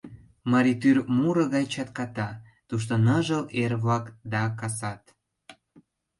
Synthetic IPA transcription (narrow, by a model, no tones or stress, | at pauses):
mɑɾit̪yrmuɾəɣɑjt͡ɕɑt̪kɑt̪ɑ | t̪uʃ̬t̪onəʒəlʔerβɑkd̪ɑkɑsɑt̪